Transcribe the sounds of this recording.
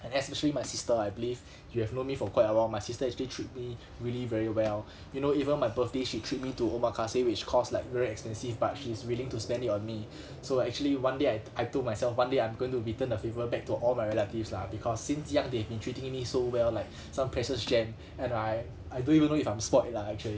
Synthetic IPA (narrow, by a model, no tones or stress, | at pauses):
ɛ̃nɛspɛʃəlimajsistəajbiliv | juhɛvnõnmifɔkʰwaɪtəwaʊmajsistəɛk̚t͡ʃəlitʰɹ̥it̚mi | ɹilivɛɹiwɛl | junoivə̃nmaɪbəθdeʃitʰɹit̚mituomakʰasewɪt͡ʃkʰɔslaɪkvɛɹiɛkspɛ̃nsivbat̚ʃiswilĩŋtuspɛ̃nditɔ̃nmi | soɛk̚t͡ʃuəliwãndeajaɪtodmajsɛlfwãndeãɪ̃mɡõĩŋtuɹitə̃ndəfevəɹəbɛk̚tuʔɔlmajɹɛlətivslabikʰɔsːĩnsjãŋdehɛvbĩntʰɹitĩŋmisowɛllaɪk̚ | sãmpʰɹɛʃəsd͡ʒɛ̃m | ɛ̃naj | ajdõnivə̃nːoifãɪ̃mspɔtlaɛk̚t͡ʃuəli